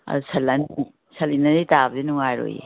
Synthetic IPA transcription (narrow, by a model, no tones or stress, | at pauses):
ɐ̰dusʰɐlːan | sɐlinaditabdinuŋajɾo̰jḛ